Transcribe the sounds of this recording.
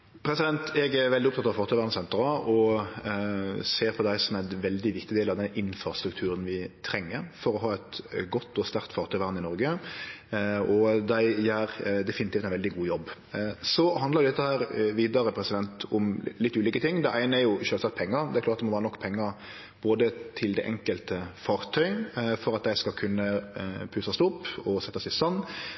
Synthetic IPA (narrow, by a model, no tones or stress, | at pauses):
pʰɾɛsɪd̪ɛnt̪ɛɡɛʋɛld̪ɪʊpt̪ɑt̪ɑʋfɑːɾt̪ʰœʏʋæːɾnəsɛnt̪ɾɑɔ | seːɾpʰɔd̪æɪsɔmæɪnʋɛld̪ɪʋɪkt̪ɪd̪eːlɑʋd̪ɛnɪnfɾɑst̪ɾʉkt̪ʰʉːɾənʋɪt̪ʰɾɛŋːəɾfɔɾɔɦɑːɛt̪ɡɔt̪ːɔst̪æɾkt̪fɑːɾt̪ʰœʏʋæʁnɪnɔɾɡə | ɔd̪æɪæɾd̪ɛfɪnɪt̪iːft̪ænʋɛld̪ɪɡuːjɔbː | sɔhɑnd̪lɑɾjʊd̪ɛt̪ːəhæːɾʋiːd̪ɑɾəpʰɾɛsɪd̪ɛnt̪ʊmlɪt̪ːʉːliːkət̪ɪŋːd̪ɛnæɪnəæɾjʊʃøːlsɑt̪̚pʰɛŋːəɾd̪ɛæɾkʰlɑːt̪d̪ɛmɔʋæːɾənɔkːpʰɛŋːəɾ | b̥oːd̪ət̪ʰɪld̪ɛʔɛŋkəlt̪əfɑːɾt̪ʰœʏfɔɾɑt̪̚d̪æɪskɑlkʰʉnːəpʰʉːsɑst̪ʊpːɔsɛt̪ːɔsɪsɑnː